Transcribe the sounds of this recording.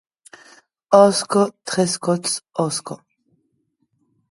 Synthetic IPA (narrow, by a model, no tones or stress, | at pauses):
ɔskɔt̪χɛskɔt̪sɔskɔ